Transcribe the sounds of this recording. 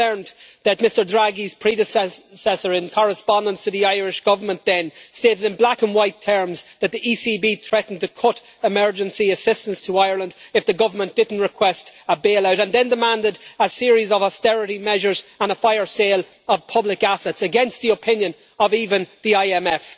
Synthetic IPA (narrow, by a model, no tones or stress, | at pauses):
ɜ̃˞mðət̚mɪstə˞dɹaɡiz̥pʰɹ̥iɾɨsɛsɛsə˞ɪ̃nkʰɑɹəspɑ̃ndə̃nstʰəðiaɪɹɪʃɡ̥ʌvə˞mə̃nðɨ̃nsteːɾɨɾɨ̃nblakə̃nwaɪtʰɜ˞mzðət̪̚ðiʔisibiːθɹ̥ɛʔn̩tʰəkʰʊɾ | ɪmɜ˞d͡ʒə̃nsiəsɪstə̃nstʰəaɪə˞lə̃ndɨfðəɡʌvə˞mə̃nd̥ɪdⁿn̩tɹɨkʰw̥ɛstəbeːlaʊɾə̃nðɨ̃ndəmãndɪɾəsɪəɹizəvəstɛɹɪɾimɛʒə˞zə̃nəfaɪə˞seːlˠ | əv̥pʰʌblɪkasɛtsəɡɛ̃nst̪̚ðiəpʰɪ̃njə̃n | əviːvə̃nðiaɪɛmɛf